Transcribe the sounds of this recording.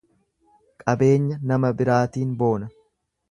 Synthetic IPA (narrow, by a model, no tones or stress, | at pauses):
kʼɐbe̞ːɲːɐnɐmɐbɪɾaːt̪iːnbo̞ːnɐ